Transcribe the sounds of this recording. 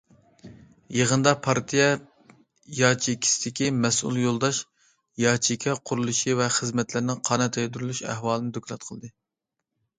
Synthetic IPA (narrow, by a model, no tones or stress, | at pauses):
jeʁənd̪ɑpʰɑɾt̪ʰijɛ | jɑːt͡ʃʰikʲʰːi̥sɪd̪ɪkʲimɛsṵlˠjolˠd̪ɑʃ | jɑːt͡ʃʰikʲʰɛqʰʊɾulˠuʃivɛχəzmɛt̪lɪɾnɪŋqʰɑːnɛt̪ʰɛjd̪yɾylyʃɛ̰hwɑːlˠɨnɨd̪okʰʲlˠɑt̪̚qʰəlˠd̪ɨ